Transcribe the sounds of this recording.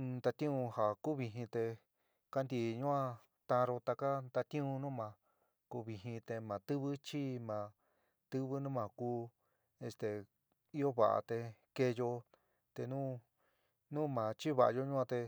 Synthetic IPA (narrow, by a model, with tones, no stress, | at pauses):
td̪a˧t̪ĩ˦ũ˧ha˨ku˦βi˧ɦĩ˧t̪e˧ | ka˦nd̪i˧˨ɲũ˦ã˧ | t̪ã˧ɾo˧t̪a˧ka˦nd̪a˧t̪ĩ˦ũ˧nũ˦mã˨˧ | ku˧βi˧ɦĩ˧t̪e˧mã˨t̪ɨ˦βɨ˦t͡ʃi˦mã˨ | t̪ɨ˦βɨ˦nũ˦mã˧˨kuː˧˦ | e˧st̪e˨ | i˦jo˦βa˨ʔa̰˨t̪e˧ke˧jo˧ | t̪e˧nũ˦ | nũ˦mã˨t͡ʃi˦βa˧ʔa̰˧jo˧ɲũ˦ã˧t̪e˧